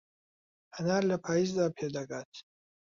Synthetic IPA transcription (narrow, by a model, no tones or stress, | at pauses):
anarlapʰaiz̬d̪apʰed̪aɡatʰ